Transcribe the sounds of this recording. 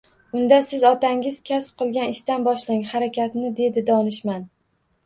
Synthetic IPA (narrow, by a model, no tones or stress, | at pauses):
ʊnd̪asɪzɒt̪aŋɪz̥kʲʰasp̚qʰɨlˠɡʲanɪʃt̪anbɒʃlɪŋhaɾakʲat̪nɪd̪e̞d̪ɪd̪ɒnɪʃman